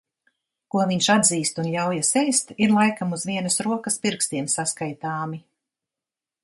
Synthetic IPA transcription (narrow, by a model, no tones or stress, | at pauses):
kuɔviɲʃad̪ziːst̪unʎʲawjasɛjst̪iɾlˠajkamuzviɛnəsɾuɔkɐspiɾkst̪iɛmsaskajt̪aːmi